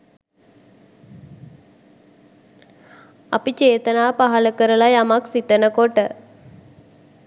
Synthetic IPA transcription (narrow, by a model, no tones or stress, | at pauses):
apit͡ʃeːt̪ənaːpaɦaləkəɾəlajamaksit̪ənəkoʈə